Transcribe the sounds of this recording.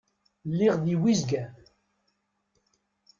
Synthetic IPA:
lːiʁðiwizɡæ

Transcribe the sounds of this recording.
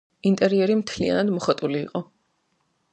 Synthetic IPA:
int̪ʼɛɾiɛɾimt̪ʰlia̰nad̪mɔχat̪ʼulḭːqʼɔ

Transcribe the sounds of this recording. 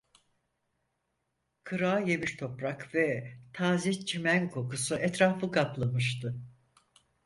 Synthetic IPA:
kʰɯɾaːjemiɾt̪ʰo̞pɾakvɛt̪ʰaːziçt͡ʃʰimænkʰo̞kusuʔɛt̪ɾaːfɯkʰaplˠamɯʃt̪ʰɯ

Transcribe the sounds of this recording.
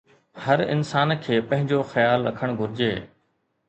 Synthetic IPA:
hɐɾɪ̰nsaːnkʰeːpɐ̃ɦɪ̃ɲd͡ʑoxɐjaːlɾɐ̰kʰəɽ̃ɡʱʊɾɪd͡ʑeː

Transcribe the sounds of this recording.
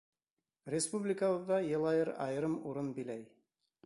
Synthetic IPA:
rʲɪspublʲɪkəwɤ̆ðːɑjɤ̆lˠɑjɤɾɑ̰jɤɾɤmuɾɤnbilæj

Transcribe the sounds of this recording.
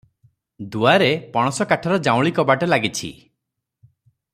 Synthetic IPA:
d̪uaɾepɔɽ̃ɔsɔkaʈʰɔɾɔd͡ʒãw̃ɭikɔbaʈelaɡit͡ʃʰḭ

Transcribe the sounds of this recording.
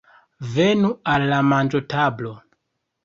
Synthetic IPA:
venualːamand͡ʒotablo

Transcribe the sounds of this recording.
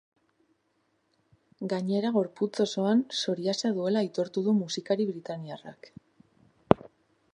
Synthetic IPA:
ɡaɲe̞ɾaɣ̞o̞ɾput͡so̞so̞anso̞ɾiasaðue̞lait̪o̞ɾt̪uðumusikaɾiβɾit̪aniara̰k

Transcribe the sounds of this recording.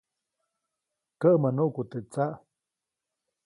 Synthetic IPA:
kəʔmənuʔkut̪ət͡saʔ

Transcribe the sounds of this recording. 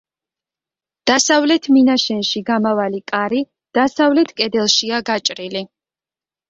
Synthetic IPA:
d̪̥asavlɛt̪ʰminaʃɛnʃiɡamavalikʼaɾi | d̪̥asavlɛt̪ʰkʼɛd̪ɛlˠʃiaɡat͡ʃʼɾili

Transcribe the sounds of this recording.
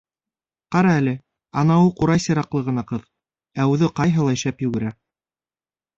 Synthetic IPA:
qɑɾɑælɘ | ɑnɑwɤquɾɑjsɤ̆ɾɑqlˠɤʁɤ̆nɑqɤð | æʉðɘqɑjɦɤ̆lˠɑ̆ʃæpjʉ̆ɡɘ̆ɾæ

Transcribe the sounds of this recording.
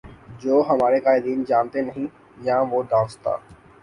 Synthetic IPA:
d͡ʑoːɦɐmaːɾekaːɪd̪iːnd͡ʒaːnt̪enɐɦĩ | jãːʋoːɖãːnst̪a̰ː

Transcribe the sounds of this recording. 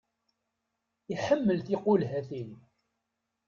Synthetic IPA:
iħəmːəlθiqʊlɦæθil

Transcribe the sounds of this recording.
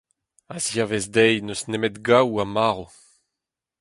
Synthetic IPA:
azjavezdɛjnøsnemɛt̪ɡawamaːʁo

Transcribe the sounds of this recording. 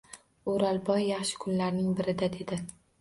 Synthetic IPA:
ʊɾalbɒjːɑχʃɪ̥kʰʊnlaɾnɪŋbɪɾɪd̪ad̪e̞d̪ɪ

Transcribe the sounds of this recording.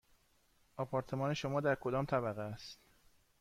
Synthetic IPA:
ʔɒpʰɒːɾt̪ʰe̞mɒːne̞ʃo̞mɒːd̪æɾkʰod̪ɒːmt̪ʰæbæɣeæst̪

